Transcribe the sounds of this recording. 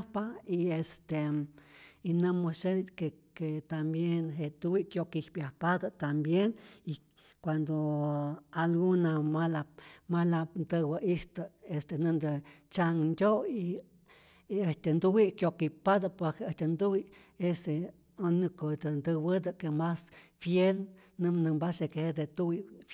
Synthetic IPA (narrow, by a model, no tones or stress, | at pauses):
paiest̪e | inɨmosekeket̪ambjenɦeʔ̪t̪uwiʔkjokihpjahpad̪at̪ambjeni | kʷand̪o | alɡunamalamalapnd̪ɨwəʔist̪əest̪enɨnd̪ɨt͡ʃaŋndʲoi | əht̪ʲend̪uwiʔkjokipad̪apwekeəht̪ʲand̪uwi | ese | onɨkod̪nd̪ɨwɨd̪akemasfjel | nɨmnɨmbasekehed̪et̪uwi